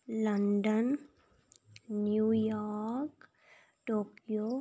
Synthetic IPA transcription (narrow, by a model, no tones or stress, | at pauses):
lɐɳɖən | jujaːɾk | ʈoːkijo